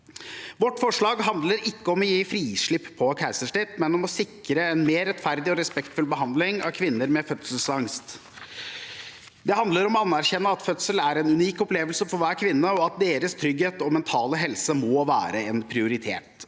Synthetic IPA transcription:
ʋɔʈːfɔʂɭɑːɡɦɑnd̪ləɾɪkːəɔmɔjiːfɾiːʂɭɪpːpʰːɔkʰæɪsəʂʈɪt̪mɛnɔmɔsɪkɾəɛnmeːɾːɛt̪fæɾd̪ɪɔɾɛspɛkt̪fʉlbəɦɑnd̪lɪŋɑ̰kʰʋɪnːəɾmɛfœt̪səlsɑŋst̪ | d̪ɛhɑnd̪ləɾɔmɔɑnːæɾçɛnːəɑt̪fœt̪səlæɾɛnʉniːkɔpleːʋəlsəfɔɾʋæːɾkʰʋɪnːəɔɑt̪̚d̪eːɾəst̪ʰɾʏɡheːt̪ɔmɛnt̪ʰɑːləɦɛlsəmɔːʋæ̰ːɾəɛnpʰɾɪʊɾɪt̪ʰḛːt̪

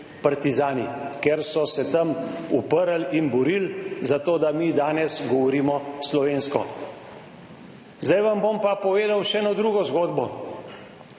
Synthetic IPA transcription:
paɾt̪izaːnikeɾsɔsɛt̪ɐmṵpəɾəlinbɔɾiːlzat̪oːd̪amiːd̪aːnɛsɡɔʋɔɾiːmɔslɔʋeːnskɔ | zd̪ajʋambompapɔʋeːd̪awʃɛnod̪ɾuːɡɔzɡoːd̪bɔ

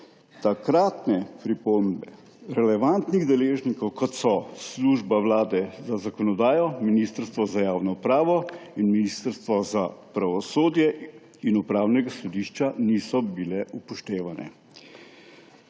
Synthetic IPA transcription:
t̪akɾaːt̪nɛpɾipombɛ | ɾɛlɛʋant̪niɣd̪ɛleːʒnikɔwkɔt̪sɔsluːʒbawlaːd̪ɛzazakɔnɔd̪aːjɔminist̪əɾst̪ʋɔzajaːwnɔupɾaːʋɔinminist̪əɾst̪ʋɔzapɾaʋɔsoːd̪jɛ | inupɾaːwnɛɡasɔd̪iːʃt͡ʃaniːsɔbilɛupɔʃt̪eːʋanʔɛ̰

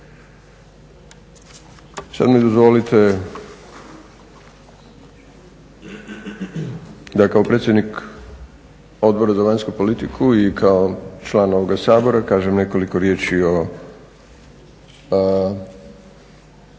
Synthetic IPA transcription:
sa̰d̪mid̪ozʋo̞lit̪e | d̪akao̞pɾet̪sjed̪nik | o̞d̪̚bo̞ɾazaʋaɲskupo̞lit̪ikʰuikʰaot͡ʃlˠaːno̞ʋoɡasaːbo̞ɾakaːʒemne̞ko̞liko̞ɾje̞ːt͡ʃio

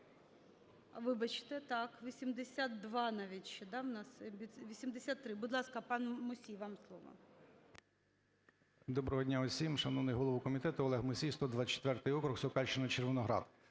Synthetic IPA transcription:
ɐʋɪbɐt͡ʃɪ̥t̪ɛt̪ɑkʋʲisʲimd̪esʲat̪d̪ʋɑnɑʋʲitʲʃt͡ʃɛd̪ɑwnɑsbʲiʋʲisʲimd̪esʲat̪ːɾɪbʊd̪lˠɑskɐpɑnmʊsʲijʋɑmslˠɔ̰ʋɐ̰ | d̪ɔbɾɔɦɔdʲnʲaɔsʲimʃɐnɔʋnɪjɦɔlˠɔʋukɔmʲit̪ɛt̪ʊɔlˠɛɦmʊsʲijst̪ɔd̪ʋɑt͡ʃe̥t̪ʋɛrt̪ɪjɔkɾʊxsɔkɑlʲʃt͡ʃɪnɐt͡ʃerʋɪnɔɦɾɑ̰d̪

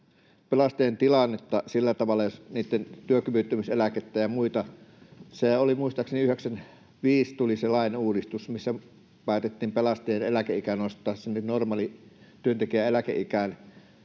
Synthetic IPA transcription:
pelɑst̪ˑeːnt̪ilɑnːet̪ːɑsilːæt̪ɑʋɑlːɑjosniːt̪ːent̪yøkyʋyt̪ːymiselæket̪ːæjɑmuit̪ɑ | seolimuist̪ɑkseniyheksæn | ʋiːst̪uliselɑˑineuːdist̪usmisːæ | pæˑit̪et̪ːiːmpelɑst̪ˑeːenelækeikænoˑst̪ːˑɑːssemːnnormɑːlit̪yønt̪ekiæelækḛʔikæn

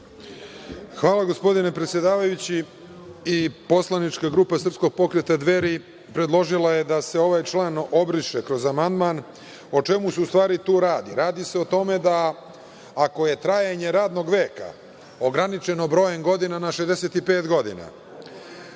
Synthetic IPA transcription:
xʋaːlˠaɡo̞spo̞d̪inepɾet̪sje̞d̪aːʋajut͡ɕiː | po̞slˠanit͡ʃkaɡɾuːpasr̩psko̞ɡ̚po̞kɾet̪ad̪ʋe̞ɾi | pɾe̞d̪lˠo̞ʒilˠaje̞d̪ase̞o̞ʋajt͡ʃlˠaːno̞bɾiʃekɾo̞zamand̪man | o̞t͡ʃe̞museust̪ʋaːɾit̪uːɾaːd̪iɾaːd̪ise̞ot̪o̞me̞d̪aː | ko̞je̞t̪ɾajaɲe̞ɾaːd̪no̞ɡʋe̞ːka̰ | o̞ɡɾanit͡ʃe̞no̞bɾo̞ːjeŋɡo̞d̪inanaʃezd̪e̞se̞t̪ipe̞ːt̪ɡo̞d̪ḭna̰

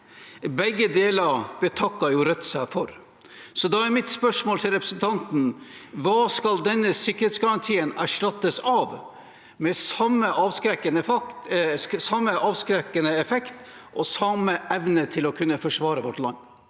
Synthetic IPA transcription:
bɛɡːəd̪eːlɑɾb̥ət̪ʰɑkːɑɾjʊɾœt̪ːsæfɔɾ | sɔd̪ɑæɾmɪt̪spœʂmoːlt̪ʰɪlɾɛpɾəsnt̪ʰɑnt̪n̩ʋɑːskɑld̪ɛnːəsɪkːəɾheːt̪sɡɑɾɑnt̪ʰiːənæʂʈɑt̪ːəsɑːʋ | mɛsɑməʔɑʋskɾɛkənə | sɑmːəʔɑːʋskɾɛkːənəɛfɛkt̪ | ʔɔsɑməʔɛʋnət̪ʰɪlɔkʰʉnːəfɔʂʋɑːɾəʋɔʈlɑŋː

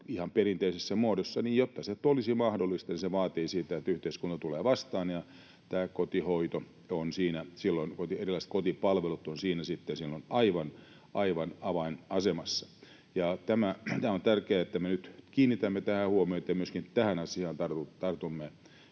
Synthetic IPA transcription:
ihɑmperint̪eisesːæmuodosːɑniːjjot̪ːɑset̪ːolisimɑhdolːˑist̪ɑniseʋɑːt̪iːsiːt̪æet̪ːæyht̪eiskunt̪ɑt̪uleːʋɑst̪ɑːnjɑ | t̪æːkot̪ihoit̪o | onsiːnæsilːonkot̪ierilːˑɑist̪kot̪ipɑlʋelut̪ːonsiːnæsit̪ːensilːonɑiʋɑn | ʔɑiʋɑnɑʋɑinɑsemɑsːɑ̥ | jɑt̪æmæt̪æːont̪ærkeæːet̪ːæmenyt̪kiːnːit̪æmːet̪æhæhuomioet̪ːæmyøskint̪æhænɑsiɑnt̪ɑrt̪ut̪ɑrt̪umːe

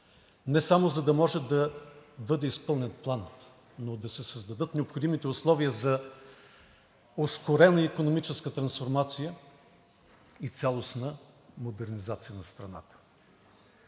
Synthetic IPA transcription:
nɛsamozɐd̪ɐmɔʒɛd̪ɐbɤd̪ɛispɤlˠnʲɛt̪plˠan | nod̪ɐsɛsəzd̪ɐd̪ɤt̪nɛopxod̪imit̪ɛʊslˠɔviəzɐ | oskoɾɛnɐikonomit͡ʃɛskət̪ɾɐnsfoɾmat̪sijə | it̪sʲalˠosnə | mod̪ɛɾnizat̪sijənɐst̪ɾɐna̰t̪ə̥

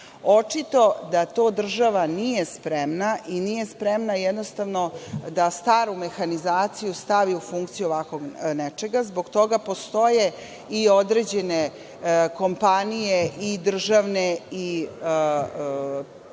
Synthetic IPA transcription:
o̞t͡ʂit̪o̞d̪at̪o̞ːd̪r̩ʒaʋanije̞spɾemnaʔinije̞spɾemnajɛd̪nost̪aʋnod̪ast̪aːɾume̞xanizaːt̪sijust̪aʋiufuŋk̚t̪sijuoʋakʋo̞ɡnet͡ʃe̞ɡazbo̞ɡt̪o̞ɡapo̞st̪o̞je̞ | io̞d̪ɾe̞d͡ʑe̞ne | ko̞mpanijeʔid̪r̩ʒaʋnei

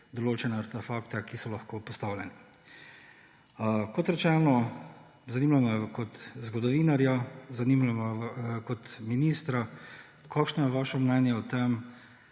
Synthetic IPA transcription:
d̪ɔloːt͡ʃɛnɛaɾt̪ɛfakt̪ɛkisɔlɐxkoːpɔst̪aːwlʲɛnɛ | kɔt̪ɾɛt͡ʃɛnɔ | zaniːmlamakɔt̪zɡɔd̪ɔʋiːnaɾjazanimamakɔt̪miniːst̪ɾa | kʰakʃnɔjɛʋaːʃɔmnɛnjɛɔt̪ɛm

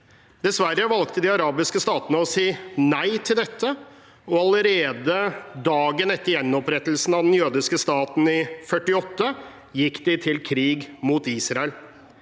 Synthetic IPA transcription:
d̪̥ɛsʋæɾəʋɑlkt̪əd̪ɪɑɾɑːbɪskəst̪ɑːt̪ənəɔsiːnæɪt̪ʰɪld̪ɛt̪ʰːə | ɔɑləɾeːd̪əd̪ɑːɡənɛt̪ːəɾjɛnːɔpɾɛt̪ːl̩sn̩ɑd̪ɛnjøːd̪ɪskəst̪ɑːt̪n̩ɪfœʈːɪɔt̪ːə | jɪkːd̪ɪt̪ʰɪlkʰɾiːɡmuːt̪iːsɾɑəl

